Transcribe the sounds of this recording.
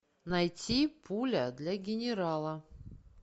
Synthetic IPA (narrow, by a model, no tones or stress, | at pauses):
nɐjtʲipʰulʲəd̪lʲaɡʲɪnʲɪɾalˠə